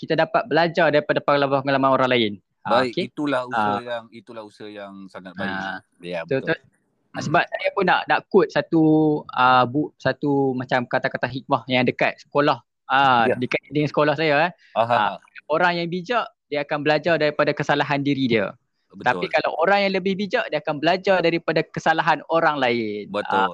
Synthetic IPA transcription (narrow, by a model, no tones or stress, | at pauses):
kit̪adapat̪̚bəlad͡ʒardaɾipadapəŋalamapəŋalamanoɾaŋlaɪn | aɪket̪ulahuaəjaŋit̪ulahusəjaŋsaŋat̪̚ba | jabət̪ut̪s | səbap̚sajapʊnːa̰ʔnaʔkʊt̪̚sat̪uəbuʔsat̪umãt͡ʃamkat̪akat̪aɦik̪̚mahjaŋdəkat̪̚sə̥kolah | adəkaidəŋansə̥kolɔhsaja | ɦaaaoɾaŋjaŋbid͡ʒaʔ | diəakanbəlad͡ʒardaɾipadakəsalaɦandiɾidiə̰ | ət̪apikala̰woɾaŋjaŋləbɪhbid͡ʒaʔdiəakanbəlad͡ʒardaɾipadakəsalaɦanoɾaŋlaɪnbət